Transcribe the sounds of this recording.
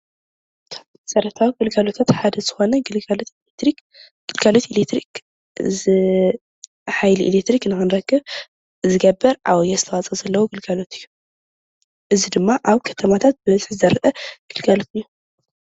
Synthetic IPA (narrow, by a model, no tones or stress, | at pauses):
t̪ʰ | ɐsɐɾɐt̪ʰawiɡɨlɡalot̪ʰat̪ħad̪ɐz̥ɨxo̞nɐɡɨt̪ | i | ɡ̥ɨlɡalot̪ilet̪ɾik | zɨ | ħajliʔḭlekt̪ɾiknɨxɨnɾɐɡːɨβ | zɨɡɐbɐɾʕa̰wɔjːasɨt̪ʰɐwat͡sʼɐzɐlːɐwoɡɨlɡalo̞t̪ʰɨjːu | ʔɨzid̪ɨmːaʔaβkʰɐ̥t̪ʰɐmat̪ʰat̪̚bɨmɐzħzɨzɐɾɐʔɐɡ̥ɨlɡalot̪ɨjːu